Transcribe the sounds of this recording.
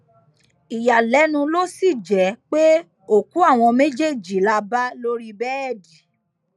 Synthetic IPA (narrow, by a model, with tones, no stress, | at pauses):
i˨ja˨lɛ˨˦nũ˧lo˦si˦˨d͡ʒɛ˨˦k͡pe˦ | o˦˨ku˨˦a˦˨w̃ɔ̃˧me˦d͡ʒe˦˨d͡ʒi˨la˧ba˦lo˦ɾi˦bɛ˦ɛ˦˨di˨